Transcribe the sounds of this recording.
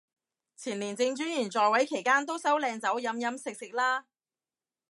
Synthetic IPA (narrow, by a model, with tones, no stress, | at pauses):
t͡sʰiː˨˩nliː˨˩nt͡sɪ˧ŋt͡ʃyː˥njyː˨˩nt͡sɔː˨jwɐ˨˥jkʰe˨˩jkaː˥nt̪o˥wsɐ˨˥wlɛː˧ŋt͡sɐ˨˥wjɐ˨˥mjɐ˨˥msɪ˨k̚sɪ˨k̚laː˥